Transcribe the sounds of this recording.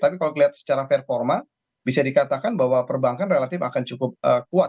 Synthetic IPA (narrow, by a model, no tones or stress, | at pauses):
t̪apikalokəliat̪̚sə̥t͡ʃaɾafɛrfɔrma | bisadikat̪akanbaɦwapərbaŋkanrelat̪ɪfa̰kant͡ʃukʊp̚əkuat̪̚